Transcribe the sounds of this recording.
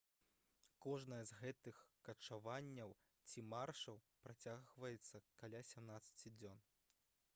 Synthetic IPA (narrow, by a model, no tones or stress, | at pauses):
kɔʐnɐjɐzɣɛt̪ɨxkɐt͡ʂavanʲːɐw | t͡sʲimarʂɐw | pɾat͡sʲaɣvɐjɛt̪sːɐkalʲasʲamnat̪sːɐ̥t͡sʲid͡zʲɔn